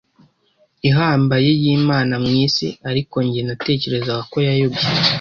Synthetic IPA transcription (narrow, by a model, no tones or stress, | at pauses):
iɦaːmbaje̞jiːmaːnamŋiːsḭaɾiko̞ɲɟeenate̞ːce̞ɾe̞zaɡako̞jajobɡi